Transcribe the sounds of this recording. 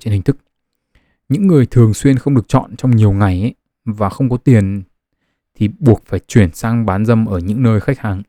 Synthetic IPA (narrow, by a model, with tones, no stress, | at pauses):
t͡ɕe˧nhï˨˩ŋ̟t̪ʰk̚ | ɲɨ̰˧˥ŋːɨ˨˩əjt̪ʰɨ˨˩əŋswi˧ənxə˧wŋ͡mɗɨ˨˩ək̚t͡ɕɔ̰˧˨nt͡ɕɔ˧wŋ͡mɲi˨˩əwŋa˨˩j | vaː˨˩xə˧wŋ͡mkɔ˨˦t̪i˨˩ən | t̪ʰi˨˩ɓu˨˩ək̚faː˧˩jt͡ɕwi˧˩ənsaː˧ŋɓaː˨˦nzə˧mʔəː˧˩ɲɨ̰˧˥ŋnəː˧jxa˦˥k̚haː˨˩ŋ